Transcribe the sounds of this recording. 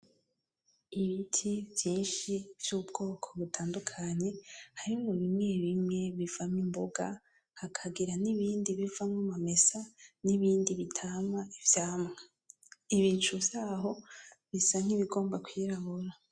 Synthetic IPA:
iβitʰivjiːnʃiv̥juːb̚ɡo̞ːkʰoβutʰaːndukʰaɲe̞haɾimuβimŋe̞βimŋe̞βivamimboɡa̰ | hakʰaɡiɾaniβiːndiβivamŋamame̞saniβiːndiβitʰamaivjaːmŋa | iβiːnt͡ʃuvz̥aːɦo̞βisaŋ̥iβiɡo̞ːmbakwiːɾaβuɾa

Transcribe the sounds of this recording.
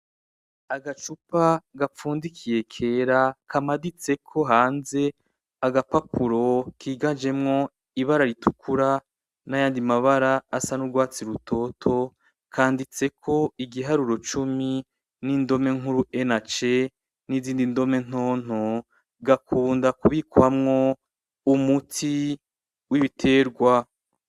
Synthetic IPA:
aɡat͡ʃupaɡafuːndikʰije̞kʰe̞ːɾakʰamadit͡se̞kʰo̞ɦaːnze̞ | aɡapapuɾo̞kiːɡad͡ʒe̞mŋo̞ | iβaɾaɾitʰukʰuɾa | najaːndimaβaɾaːsanuɡwaːt͡siɾutʰo̞ːtʰo̞ | kʰaːndit͡se̞kʰo̞iɡiɦaɾuɾo̞t͡ʃumi | niːndo̞me̞ŋuɾuenat͡ʃe̞ | niziːndindo̞me̞n̥oːn̥o | ɡakʰuːndakuβikwamŋo̞ | umutʰi | wiβitʰe̞ːɾɡwa

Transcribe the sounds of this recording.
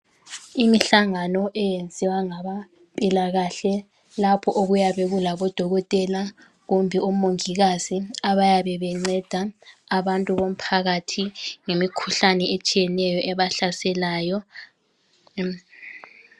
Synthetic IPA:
imiɬaŋanɔʔɛjend͡zʱiwaŋaβa | pʼilaɣaɬɛ | lapʰɔʔoɣujaβɛɣulaβɔd̥ʱɔɣɔtʼɛla | ɣumbʱiomoŋiɣaziaβajaβɛβɛŋ͡ǀɛd̥ʱaːβantʼuβom̩pʰaɣatʰiŋemikʰuɬanɛʔet͡ʃʼijɛnɛjɔʔɛβaɬasɛlaːjɔ

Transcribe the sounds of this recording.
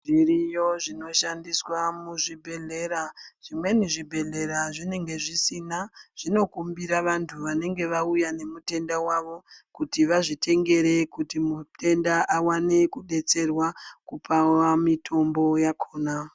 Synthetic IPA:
ʐirijo̞ʐino̞ʃandiswamuʐibʱe̞ɮe̞ɾaʐ̥imwe̞niʐibʱe̞ɮe̞ɾaʐine̞ŋɡe̞ʐisinaʐ̥ino̞kumbiɾaʋantʰuʋane̞ŋɡe̞ʋaujane̞mute̞ndawaʋo̞kutiʋaʐite̞ŋɡe̞ɾe̞kutimutʰe̞ndaʔawane̞kuɗe̞t͡se̞rwakupʰawamitʰo̞mbo̞jakʰoːna

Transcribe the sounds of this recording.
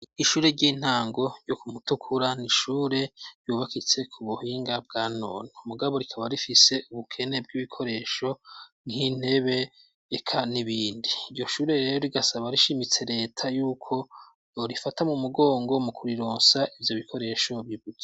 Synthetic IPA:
iʃuːɾe̞ɾɟiːn̥haːŋɡo̞ɾɟokumutukʰuɾaniʃuːɾe̞ɾjuːβakit͡se̞kʰuβuhiːŋɡab̚ɡaːno̰ːnomuɡaβo̞ɾikʰaβaɾifise̞uβukʰe̞ne̞b̚ɡiβikʰo̞ɾe̞ːʃo̞ | nhin̥e̞βe̞ː | kʰaniβiːndiːɾɟo̞ʃuːɾe̞ɾeɾo̞ɾiɡasaβaɾiʃimit͡se̞ɾe̞ːtʰajuːkʰo̞ | joɾifatamumuɡo̞ːŋɡo̞mukuɾiɾo̞ːnsaʔivjo̞βikʰo̞ɾe̞ːʃo̞βiβuɡe̥

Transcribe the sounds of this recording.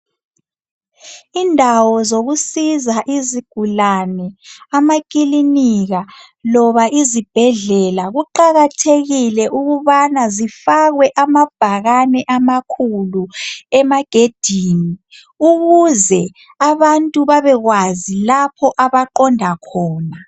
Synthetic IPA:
indʱawɔzoɣusizaʔiziɡ̥ʱulanɛamakʼiliniɣa | lɔβaʔizib̥ʱɛɮɛlaɣuǃaɣatʰeɣilɛʔuɣuβanazifaɣwɛʔamab̥ʱaɣanɛʔamakʰuluɛmaɡ̥ʱed̥ʱiːni | uɣuzɛ | aβantʼuβaβɛɣwazilapʰɔʔaβaǃɔndʱakʰɔːna

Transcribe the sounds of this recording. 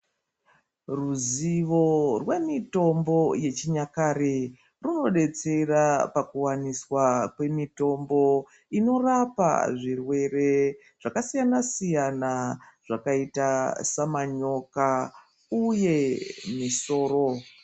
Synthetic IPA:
ruziʋo̞rwe̞mito̞mbo̞je̞t͡ʃiɲakaɾe | runo̞ɗe̞t͡se̞rapakuwaniswakwe̞mito̞mbo̞ | ino̞rapa̰ʐirwe̞re̞ | ʐ̥akasijanasijanaʐ̥akaitasamaɲo̞ka | uje̞miso̞ːro̞

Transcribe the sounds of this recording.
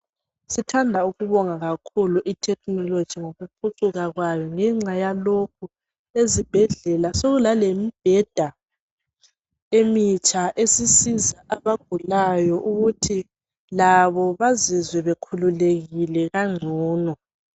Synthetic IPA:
sitʰandʱauɣuβɔŋaɣakʰuluʔitʰɛknɔlod̥ʒ̥ʱiŋoɣupʰuǀuɣaɣwajɔŋɛŋ͡ǀajalok̚ʰu | ezib̥ʱɛɮɛlasoɣulalemib̥ʱɛd̥ʱa | emit͡ʃʼaʔesisizaʔaβaɡ̥̚ʱulajɔʔuɣutʰi | laβɔβazizwɛβekʰululeɣilɛɣaŋ͡ǀʱɔːnɔ

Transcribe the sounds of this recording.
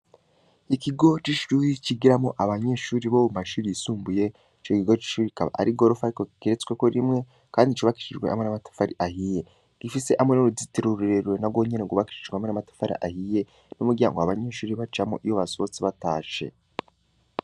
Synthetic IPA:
ikiɡo̞t͡ʃiʃuːɾiciɡiɾamoʔaβaɲe̞ːʃuːɾiβoumaʃuːɾijisuːmbuje̞ | t͡ʃokiɡo̞t͡ʃi̥ʃuːɾikaβa̰ʔa̰ɾiɡoɾufaɾikokiɾet͡sweko̞ɾimŋe̞ | kaːndit͡ʃuβaki̥ʃiʒɡwḛʔa̰mŋe̞namatḁfaɾiʔahije̞ | ɡ̥ifise̞ʔamŋe̞noɾuziteɾuɾuɾeɾwenaɡwo̞ɲeneɡuβaki̥ʃiʒɡwamwe̞namatḁfaɾḭʔahije̞ | numuɟia̰ŋɡoaβaɲe̞ːʃuːɾiβat͡ʃamo̰ʔijoβasot͡siβataːʃe̞̰

